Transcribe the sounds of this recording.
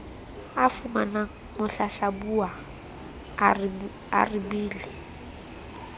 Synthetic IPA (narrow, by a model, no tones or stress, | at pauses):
afumana | mʊɬaɬabua | a̰ribiːlɪ